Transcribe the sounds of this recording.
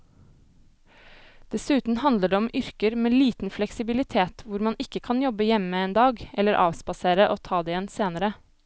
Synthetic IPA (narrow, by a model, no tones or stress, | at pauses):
d̪̥ɛsʉːt̪n̩hɑnd̪ləɖeːɔmʔʏɾkəɾmeːliːt̪n̩flɛksɪbɪlɪt̪ʰeːt̪ʋʊɾmɑnʔɪkəkʰɑnjɔbəjɛməeːnd̪ɑːɡʔɛlːəɾʔɑ̰ːʋsbɑseːɾəʔoːt̪ʰɑːd̪eːjɛnseːnəɾə